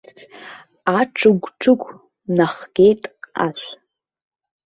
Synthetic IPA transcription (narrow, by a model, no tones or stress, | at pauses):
aʈ͡ʂʰɨɡʷʈ͡ʂʰɨɡʷ | naχɡ̥ʲejtʼa̰ʃʷ